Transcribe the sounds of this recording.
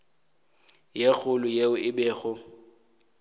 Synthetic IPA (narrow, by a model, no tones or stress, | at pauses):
jek͡xʰʊlʊjeʊʔɪbɛːɣʊ